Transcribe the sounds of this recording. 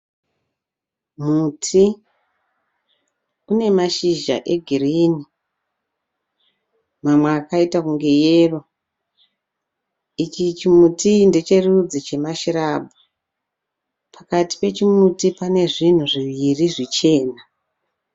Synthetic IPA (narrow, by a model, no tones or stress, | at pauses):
mutʰi | une̞maʃiʒa̰ʔe̞ɡʱiriːni | mamweakaitakuŋɡe̞jeːro | it͡ʃit͡ʃimutinde̞t͡ʃe̞rud͡zit͡ʃe̞maʃiɾaːbʱu | pʰakati̥pe̞t͡ʃimutipane̞ʐin̤uʐiʋiriʐit͡ʃe̞ːna